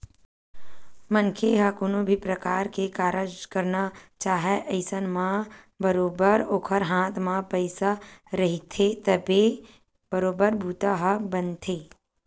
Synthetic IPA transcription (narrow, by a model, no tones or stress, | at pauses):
mə̃nkʰeɦɐkoːnõbʱipɾɐkaːɾkekaːɾəd͡ʒkɐɾnat͡ʃaːɦeʔɐɪsənmã | bəɾoːbəɾoːkʰəɾɦãːt̪ʰmãpəɪsaɾɐɦit̪ʰet̪ɐbe | bəɾoːbəɾbʱuːt̪aɦɐbənt̪ʰeː